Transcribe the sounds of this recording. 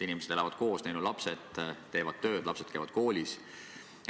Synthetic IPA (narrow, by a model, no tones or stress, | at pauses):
inimesed̥̪elɑvɑd̪̥ko̞ːsnæjnulɑpset̪t̪ːe̞ːvɑd̪̥t̪ø̞ːd̪̥lɑpse̞d̪̥̚kejvɑd̪̥̚ko̞ːlʲis